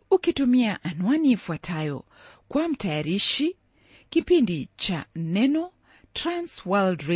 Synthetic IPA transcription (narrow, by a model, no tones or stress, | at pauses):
ukitumiaʔanwaniːfuatʰajɔ̰ | kwam̩tajaɾiʃi | kipindit͡ʃa̰nɛnɔ | tɾanswaldɾe